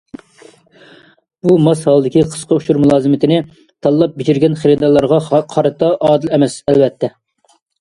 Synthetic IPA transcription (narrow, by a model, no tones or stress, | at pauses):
bumɑshɑlˠɨd̪ɪkʲiqʰə̥sqʰɑuʃuɾmulˠɑːzɨmɪt̪ʰɪnɪ | t̪ʰɑlˠːɑp̚bɪd͡ʒiɾɡʲɛnχeɾɨd̪ɑlˠːɑɾʁɑqʰɑɾɨt̪ɑʔɑːd̪ɨlɛmɛsɛlvɛt̪ʰːɛ